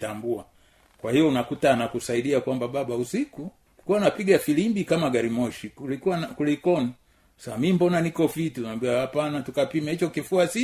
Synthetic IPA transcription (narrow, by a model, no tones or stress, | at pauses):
tambua | kwahijɔunakutanakusaiɗiakwambaɓaɓausiku | kuwanapiɡafilimbikamaɡaɾimɔʃikulikuankulikɔni | samimbɔnanikɔfitiunambiwahapanatukapimɛhit͡ʃɔkifuasi